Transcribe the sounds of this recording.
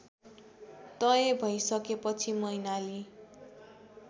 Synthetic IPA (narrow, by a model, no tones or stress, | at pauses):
t̪ʌjebʱʌjsʌkepʌt͡sʰimʌjnali